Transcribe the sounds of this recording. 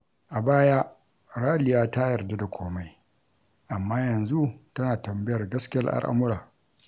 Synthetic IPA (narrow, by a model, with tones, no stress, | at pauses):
ʔa˨baː˦jaː˦ | ɽaː˦lɪ˨jaː˦ta˦jɐ˨rda˦da˨kʷʰoː˦ma˦j | ʔa˨mːaː˦jɐ˨nzu˦tɐ˦naː˨tɐ˨mbɪ˦jɐ˨rɡɐ˦skʲɪ˦ɐ˦rʔa̰˦ɽʔa̰˦mʊ˦ɾaː˨